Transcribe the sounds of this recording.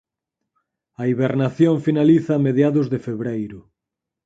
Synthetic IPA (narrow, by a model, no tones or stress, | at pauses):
ɐiβeɾnaθjoŋfinaliθɐːmeðjaðʊzðefeβɾejɾʊ